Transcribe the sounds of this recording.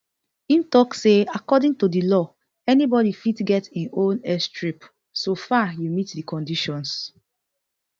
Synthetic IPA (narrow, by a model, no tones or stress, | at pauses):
ĩntɔkseakɔdĩŋtudilɔ | ɛnibɔdifitɡɛtĩnõnɛstɹip | sofajumitdikɔ̃ndiʃɔ̃ns